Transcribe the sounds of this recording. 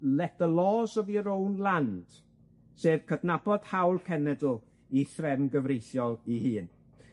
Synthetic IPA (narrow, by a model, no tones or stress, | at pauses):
lɛtəlˠɔːsɔviəɾownlˠand̥ | seːv̥kʰədnab̥ɔd̥hawlˠkʰɛnɛdˠ | iθrɛmɡəvrejθjɔlˠihɨːn